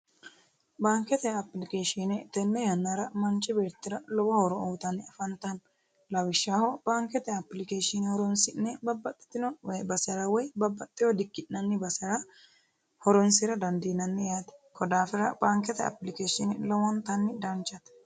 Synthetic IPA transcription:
baːŋkɛt̪ɛɐplɪkeːʃɪnɛt̪ɛnːɛjɐnːaɾɐmɐnt͡ʃːɪbeːɾt̪ːɪɾɐlɔwɐhɔɾɔoːt̪ɐnːɪɐfɐnt̪ɐn | lɐwɪʃːaːhɔbaːŋkɛt̪ɛɐpːlɪkeːʃɪnhɔɾɔnsɪnːɛbɐbːɐt̪ʼːɛ̥t̪ːɪnɔɛbɐsɛɾɐwɔjbɐbːɐt̪ʼːɪjɔd̪ɪkːɪʔnɐnːɪbɐsɐɾɐ | hɔɾɔnsɪɾɐd̪ɐnd̪inɐnːɛjaːt̪ɛ̥kʰɔd̪aːfɪɾɐbaːŋkɛt̪ɛɐ̰plɪkeːʃɪnɪlɔwɔnt̪ɐnːɪd̪ɐnt͡ʃːɐt̪

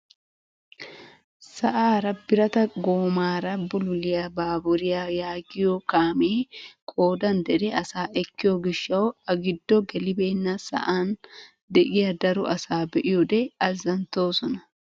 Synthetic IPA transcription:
sɐʔaːɾɐbɪɾɐt̪ɐɡoːmaːɾɐbʊlʊlɪjabaːbʊɾɪjajaːɡɪjɔkaːmeːkʼo̞ːd̪ɐnd̪ɛd̪ɛɐsaːʔɛkːɪjɔɡɪʃːɐwɐɡɪd̪ːɔɡɛlɪbe̞ːnːɐsɐ̰ʔaːn | d̪ɛʔɪjɐd̪ɐɾʊʔɐsaːbɛʔɪjɔd̪ɛɐzːɐnt̪o̞ːsɔnɐ

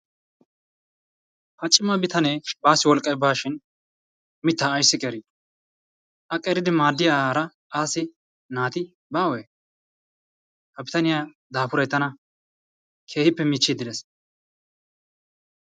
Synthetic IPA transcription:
hɐt͡ʃʼːɪmɐbɪt̪ɐneːbaːsɪwɔlkʼɐbaːʃɪn | mɪt̪ːaːjsːɪkʼɛɾi | ʔɐkʼɛɾɪd̪ɪmaːd̪ːɪjaaːɾɐ | aːsɪ | naːt̪ɪ | baːweː | hɐbɪt̪ɐnɪjaː | d̪aːpʊɾɐjt̪ːɐnɐ | kʰe̞ːhɪpːɛmiːt͡ʃːɪd̪ɪd̪ɛs

